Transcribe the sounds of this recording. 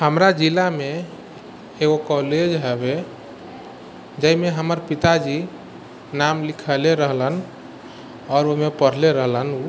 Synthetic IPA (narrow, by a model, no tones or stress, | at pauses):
həmɾad͡ʒilame | eɡokɔled͡ʒɦɛbe | d͡ʒəimeɦəməɾpit̪ad͡ʒi | namlikʰəleɾəɦlən | ɔːɾomepəɽ̤leɾəɦlənu